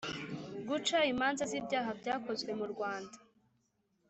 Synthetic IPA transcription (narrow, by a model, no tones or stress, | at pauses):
ɡut͡ʃaimaːnzazibjaːɦabɟaːko̞zɡwe̞muɾɡwaːnda